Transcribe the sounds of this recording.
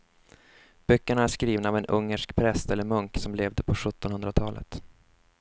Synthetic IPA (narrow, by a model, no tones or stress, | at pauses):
b̥œkːəɳaæʂkɾiːvnaːvɛnʔɵŋːəʂkpʰɾɛst̪ɛlːəɾmɵŋksɔmleːvd̪əpʰɔɧɵt̪ːɔnhɵnd̪ɾat̪ʰɑːlə̰t̪